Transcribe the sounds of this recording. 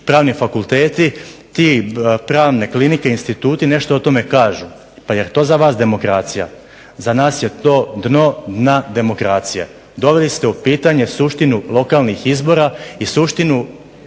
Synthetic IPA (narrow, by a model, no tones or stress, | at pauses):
pɾaːʋnifakulˠt̪e̞ːt̪it̪ipɾaːʋne̞klinikeinst̪it̪uːt̪ine̞ʃt̪o̞ot̪o̞me̞kaːʒu | pajeɾt̪o̞ːzaʋaːsd̪e̞mo̞kɾaːt̪sija̰ | zanaːsje̞t̪o̞ːd̪no̞d̪nad̪e̞mo̞kɾaːt̪sijḛ | d̪o̞ʋe̞list̪e̞upiːt̪aɲesuʃt̪inulo̞kalˠnixizbo̞ɾaisuʃt̪inu